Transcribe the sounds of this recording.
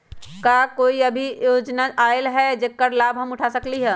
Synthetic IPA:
kakoːiɐbʱijoːd͡ʒnaʔaːɪlɦɛd͡ʒekːəɾlaːbɦɐmʊʈʰasɐkliɦɛː

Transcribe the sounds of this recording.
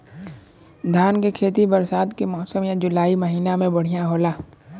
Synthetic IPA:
d̪ʱaːnkekʰeːt̪ibɐɾsaːd̪kemɔːsəmjad͡ʒʊlaːiməɦiːnamẽbɐɽ̤ijaɦoːlaː

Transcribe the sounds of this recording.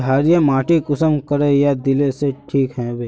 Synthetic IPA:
ɦaːɾjamaːʈikʊsəmkɐɾejad̪ɪleseʈʰiːkɦɛ̃beː

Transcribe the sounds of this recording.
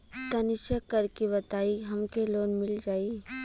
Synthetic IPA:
t̪ɐnɪʃəkːɐɾkebɐt̪aːiɦɐmkeloːnmɪld͡ʒaːi

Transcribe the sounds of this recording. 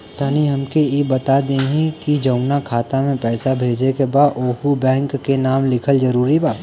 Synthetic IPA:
t̪aːniɦɐmkeebɐt̪ad̪ẽːɦĩkid͡ʒɐʊnakʰaːt̪amẽpɛːsabʱeːd͡ʒekebaːd̪oːɦubɛ̃ːŋkːenaːmlɪkʰəld͡ʒɐɾuːɾibaːt̪

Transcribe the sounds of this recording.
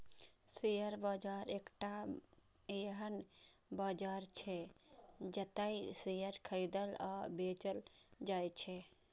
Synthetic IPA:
sijəɾbaːd͡ʒaːɾeːkʈa | eɦənbaːd͡ʒaːɾt͡ʃʰe | d͡ʒət̪aisijəɾkʰəɾid̪əlabeːt͡ʃəld͡ʒajt͡ʃʰe

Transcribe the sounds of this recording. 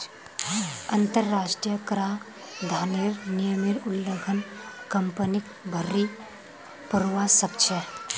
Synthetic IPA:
ɐnt̪əɾːaːʂʈɾijəkɾa | d̪ʱaːniɾnijəmiɾulːəɡʰʱənkɐmpənik | bʱɐɾːi | puɾʋasɐp̚t͡ʃʰe

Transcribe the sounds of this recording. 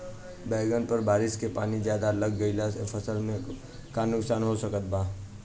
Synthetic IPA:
bɛːɡənpəɾbaːɾɪskepaːnizjaːd̪aləɡːəilapʰəsəlmẽ | kanʊksaːnɦosəkət̪̚baː

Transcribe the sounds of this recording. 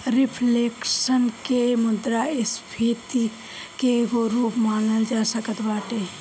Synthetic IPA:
ɾɪpʰleːkʃənkemʊd̪ɾaɪspʰiːt̪i | keɡoɾuːpmaːnəld͡ʒaːsəkət̪baːʈe

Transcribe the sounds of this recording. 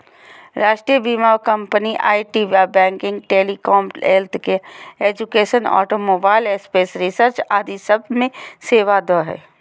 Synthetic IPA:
ɾaːʃʈɾijəbimaːwkɐ̃mpəniʔa̰ːiʈiʋaːbɛ̃ːŋkɪ̃ŋɡ̚ʈeːlikɔːmelt̪keeːd͡ʒukeːʃənɔ̰ːʈomoːbaːɪlespeːsɾisəɾt͡ʃaːd̪isəb̚mẽseːʋad̪ɔːɦɛ̰ː

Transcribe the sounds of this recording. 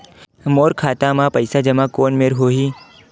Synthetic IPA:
moːɾkʰaːt̪amãpɐɪsad͡ʒɐmakoːnmeɾɦoːɦiː

